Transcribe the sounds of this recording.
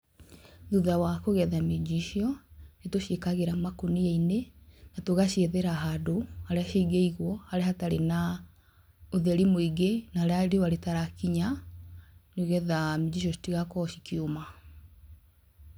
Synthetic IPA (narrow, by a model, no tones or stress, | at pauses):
ðuðawakoɣɛðamed͡ʒiʃiɔnetoʃekaɣeɾamakoniainenatoɣaʃeðeɾaɦadohaɾeaʃeiɡeiɣwɔhaɾeahataɾena | oðɛɾimoiɡenaaɾeaɾewaɾetaɾakiɲa | noɣɛðamed͡ʑiʃ̬ɔʃi̥tiɣakɔɕikioma